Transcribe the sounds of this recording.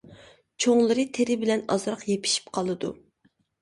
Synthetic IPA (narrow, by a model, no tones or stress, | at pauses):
t͡ʃʰoŋlˠɨɾɨt̪ʰeɾɪbɪlɛnɑ̰zɾɑqjepʰi̥ʃi̥p̚qʰɑlˠɨd̪u